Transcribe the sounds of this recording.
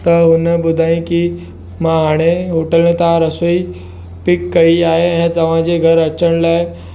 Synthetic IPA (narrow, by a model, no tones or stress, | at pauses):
t̪ɐɦʊnəbʊd̪ʱaːĩki | mãɦaːɽ̃eɦoʈələ̃t̪ãɾɐsui | pɪkːɐiaːɦeɛ̃ːt̪ɐʋ̤ãd͡ʑeːɡʱɐɾɐt͡ɕəɽ̃laːɪ